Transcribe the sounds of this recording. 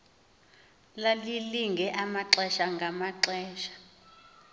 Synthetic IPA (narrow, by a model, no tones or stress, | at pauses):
laliliŋɡʱɛʔamaǁɛʃaŋɡʱamaǁɛːʃḁ